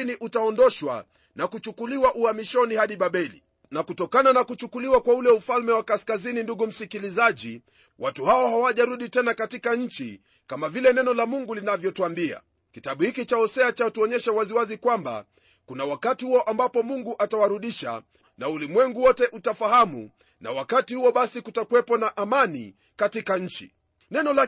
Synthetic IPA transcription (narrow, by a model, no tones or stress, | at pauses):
niʔutaɔndɔʃwa̰ | nakut͡ʃukuliwaʔuhamiʃɔnihaɗiɓaɓɛlḭ | nakutɔkananakut͡ʃukuliwakwaulɛufalmɛwakaskazininduɡum̩sikilizaʄi | wʔatuhaɔhawaʄaɾuɗitɛnakatikaɲ̩t͡ʃḭ | kamavilɛnɛnɔlamuŋɡulinavjɔtuambia̰ | kitaɓuhikit͡ʃaɔsɛat͡ʃatuɔɲɛʃawaziwazikwamba̰ | kunawakatihuɔʔambapɔmuŋɡuʔatawaɾuɗiʃa̰ | naulimwɛŋɡuwɔtɛʔutafahamṵ | na̰wakatihuɔɓasikutakuwɛpɔnaʔamanḭ | katikaɲ̩t͡ʃḭ | nɛnɔla